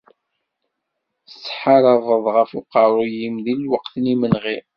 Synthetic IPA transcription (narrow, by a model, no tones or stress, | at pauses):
θə̥t͡sːħɑɾˤɑvəðˤʁəfʊqɑɾˤʊjimðilwɑqθnimənʁi